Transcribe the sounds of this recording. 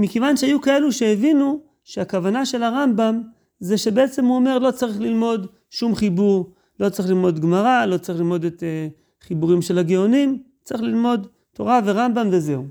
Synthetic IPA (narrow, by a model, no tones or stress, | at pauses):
mikevanʃeajukae̞luʃeːvinu | ʃeakavanaʃe̞laʁambam | zeʃe̞be̞et͡se̞mhuome̞ʁlo̞t͡saʁiχlilmo̞d | ʃumχibuʁ | lo̞t͡saʁiχlilmo̞dɡmaʁalo̞t͡saʁiχlilmo̞det̪e | χibuʁimʃelaɡeonim | t͡saʁiχlilmo̞d | to̞ʁave̞ʁambamveze̞u